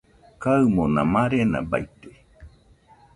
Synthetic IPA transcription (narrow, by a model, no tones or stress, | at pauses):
kamonã̰maɾena̰ba̰jt̪e̥